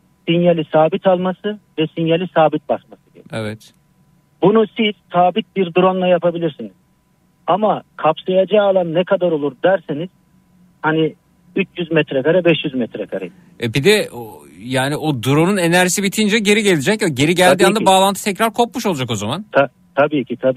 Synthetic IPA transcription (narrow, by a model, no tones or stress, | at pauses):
sinjalʲisaːbit̪ʰalˠmasɯvɛsinjalʲisaːbit̪̚basmasɯɡ̪ḛḛvɛt̪ | bunusiz̥saːbit̪̚biɾd̪uɾonlˠajapʰabilʲiɾsiniz̥ | amakʰapsajad͡ʒaːlˠanːɛkʰad̪aɾo̞lˠuɾd̪æɾseniz̥ | hani | yt͡ʃʰjyzmɛt̪ɾɛkaɾabɛʃjyzmɛt̪ɾɛkʰaɾa̰ | ɛbid̪ɛo | jaːniʔod̪uɾonune̞næɾʒisibit̪ʰijnd͡ʒɛɟe̞ɾiɟe̞lʲed͡ʒɛcj̚ɟe̞ɾiɟælʲd̪iːand̪abaːlˠant̪ʰɯ̥t̪ʰɛcɾaɾkʰo̞p̚muʃo̞lˠad͡ʒako̞zamant̪ʰa | t̪ʰabiːcʰit̪ʰa